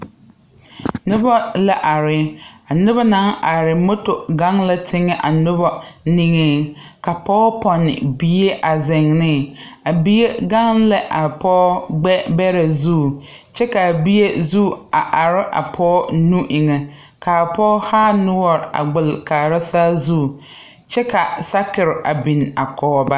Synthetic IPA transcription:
nʊ˦bɔ˦la˦ʔa˨ɾɪ˦a˨nʊ˦ba˦nã˨˦ŋʔa˨ɾɪ˨mʊ˦tʊ˨ɡa˦ŋla˦tʰɪ˦ŋɛ˦ʔa˨nʊ˦bɔ˦ni˦ŋe˦ka˨pɔː˦pɔ˨nɪ̰˨bi˦e˦ʔa˨zɪ˨ŋnɪ˦˨a˨bi˦je˦ɡa˦ŋlɛ˦ʔa˨pɔː˦ɡ͡bɛ˦bɛ˦ɾe˨zuː˦˨ | t͡ʃɛ˦ka˨bi˦e˦zu˦˨a˨ʔa˨ɾɪ˦ʔa̰˨pʰɔː˦nũ˦ʔɪ˨ŋɛ˨ | ka˨pɔː˦haː˦nʊ˦ɔ˨ɾɪ˨a̰˨ɡ͡bɪ˨lkaː˨ɾa˦saː˦zuː˦˨ | t͡ʃɛ˦ka˨sa˦kɪ˨ɾɪ˨ʔa˨bi˨n˨a˨kɔː˦ba˦

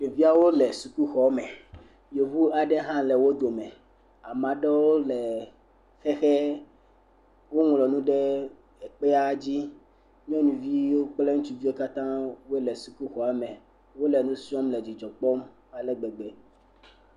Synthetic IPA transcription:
e˨vi˦a˦wo˦lɛ˨su˨ku˦xɔ˨˦mɛ˨ | jo˨vu˦a˨ɖɛ˦ɦã˦lɛ˨wo˦d̪o˨mɛ̃˨ | a˨mã˨ɖɛ˦wo˦lɛ˨ | xɛ˦xɛ˦ | wo˦ŋ˨lɔ˨nũ˦ɖɛ˦ | ɛ˨k͡pɛ˦a˦d͡ʑi˦ | ɲ˦ɔ̃˦nũ˨vi˦wo˦k͡plɛ˦ŋũ˦t͡ʃu˦vi˦e˦ka˦t̪ã˦wo˦lɛ˨su˨ku˦xɔ˨a˨mɛ̃˨ | wo˦lɛ˨nũ˦si˦ɔ̃˦mlɛ˨d͡ʑi˨d͡ʒɔ˨k͡pɔ˦m | a˨lɛ˦ɡ͡bɛ˨ɡ͡bɛ˨

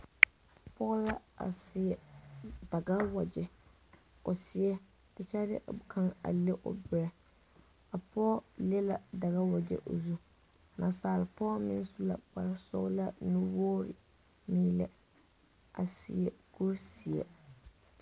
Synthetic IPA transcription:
pɔ˦la˦a̰˨sɪ˨ɛ˨da˨ɡa˦wa˨d͡ʒɛ˦ | ʊ˨sɪ˨ɛ˦ | ɛ˨t͡ʃa˦dɪ̰˦˨kʰa˦ŋa̰˨le˦ʔʊ̰˨bɪ˨ɾɛ˦ | a˨pʰɔ˦lɛ˦la˨da˨ɣa˦wa˨d͡ʒɛ̰˦ʔo˨zu˦˨ | nʔa˨saː˨lɪ˨pɔː˦mɪ˦n˦su˦la̰˨k͡pa˨ɾa˦sʊ̰˦ɣla˦nu˦wɔː˦ɾɪ̰˨ | miː˦lɛ˦ | a̰˨sɪ̰˨ɛ˨ɡ̥u˦ɾsɪ˨ɛ̰˨

